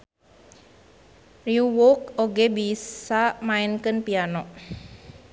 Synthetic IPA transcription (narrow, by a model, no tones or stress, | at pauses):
riuwokoɡebisamaɪnkənpianɔʔ